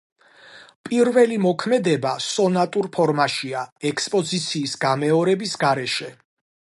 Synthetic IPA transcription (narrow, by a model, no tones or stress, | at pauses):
pʼiɾvɛlimɔkʰmɛd̪ɛbasɔnat̪ʼuɾpʰɔɾmaʃiaɛkspʼɔzit̪sʰiːsɡamɛɔɾɛbisɡaɾɛʃɛ